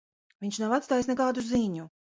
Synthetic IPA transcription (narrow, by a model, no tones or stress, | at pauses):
viɲʲʃnavat̪st̪aːjisnɛkaːd̪uziɲu